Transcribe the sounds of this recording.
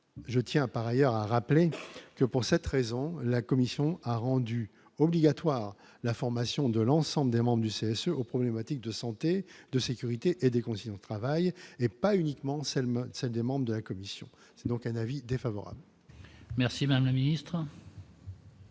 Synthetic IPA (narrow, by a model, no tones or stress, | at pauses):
ʒət̪jɛ̃paʁajœʁaʁaplekəpuʁsɛt̪ʁezɔ̃lakɔmisjɔ̃aʁɑ̃d̪y | ɔbliɡat̪waːʁ | lafɔʁmasjɔ̃d̪əlɑ̃sɑ̃bləd̪emɑ̃bʁəd̪yseɛsøʔopχɔblemat̪ik̚d̪əsɑ̃t̪ed̪əsekʲyʁit̪eʔed̪ekɔ̃sijɔ̃d̪ət̪χavajepaynikmɑ̃sɛsɛld̪emɑ̃bʁəd̪əlakɔmisjɔ̰̃ | sɛd̪ɔ̃kɛ̃navid̪efavɔ̰ʁa̰bl | mɛʁsimad̪amlaminist̪χ